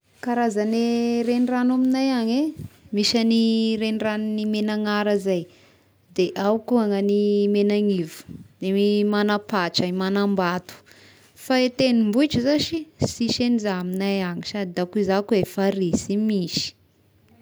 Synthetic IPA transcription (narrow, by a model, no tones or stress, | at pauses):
kaɾazaneɾeniranaminajaɲemiʃaniɾenirannimenaŋaɾazaj | d̪eʔawkuaŋanimenaŋivu̥d̪̥eimanapat͡ʃaimanambat̪u̥ | faet̪enimbuit͡ʃəzaʃisiʃenizaaminajaŋisad̪id̪akuizakuefaɾisimiʃi̥